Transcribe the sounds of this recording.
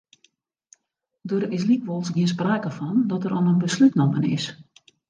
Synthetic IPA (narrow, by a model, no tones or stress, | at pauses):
døɾɪs̬likʋolˠsɡiəns̬praːkəfɔndɔtəɾʔɔnənbəslytnomənɪ̰s